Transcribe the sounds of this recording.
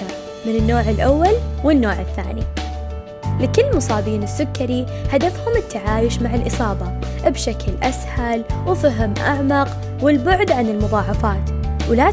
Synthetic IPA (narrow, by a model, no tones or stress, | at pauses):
a | mɪnɪnːoːʕɪlʔawːalwɪnːoːʕɪθːa̰ːnḭ | lɪkɪlːmʊsˤɑːbiːnɪsːʊkːaɾihad̪afhʊmɪt̪ːaʕaːjʊʃmaʕɪlʔɨsˤɑːðˤɑ | bʃaklʔashalwfaɦɪmʔaʕmɑq | wɪlbʊʕd̪ʕanɪlmʊðˤɑːʕɑfaːt̪ | wlaː